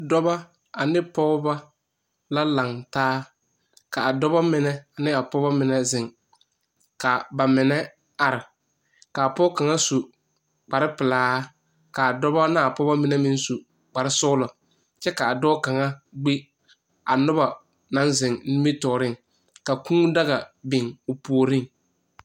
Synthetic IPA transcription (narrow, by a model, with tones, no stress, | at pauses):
dɔ˦ba˦ | a˨nɪ˦pɔ˦ɣʊ˦ba˦ | la˦la˨ŋtaː˦ | ka˨a˨dɔ˦ba˦mɪ˨nɛ˦a˨nɪ˦a˨pɔ˦ba˦mɪ˨nɛ˦zɪ˨ŋ | ka˨ba˨mɪ˨nɛ˦ | a˨ɾɪ˨ | kaː˨pɔ˦ka˨ŋa˦su˨ | k͡pa˨ɾɪ˦pɪ˨laː˦ | ka˨a˨dɔ˦ba˦na˦˨pɔ˦ba˦mɪ˨nɛ˦mɪ̃˦n˦su˨ | k͡pa˨ɾɪ˦sʊ˦lɔ˨ | t͡ʃɛ˦ka˨a˨dɔː˦ka˨ŋa˦ɡ͡be˦ | a˨nʊ˦ba˨ | nã˨˦nzɪ˨ŋni˦mi˦tɔː˨ɾɪ˦ŋ | ka˨kũ˦da˦ɣa˨bɪ˨ŋʊ˨po˨o˨ɾɪ˦ŋ